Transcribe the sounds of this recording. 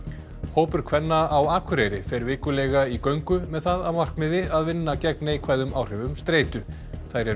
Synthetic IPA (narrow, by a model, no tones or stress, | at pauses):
hoːwpʏɾ̥kʰvɛnːaawaːkʰʏɾejɾɪfɛɾvɪːkʏlɛɣaikœɥŋkʏmɛðθaðawmar̥kmɪðɪaðvɪnːacɛknaikʰvaːjðʏmaːwr̥ɛvʏmst̪ɾeːjt̪ʏ | θajɾɛ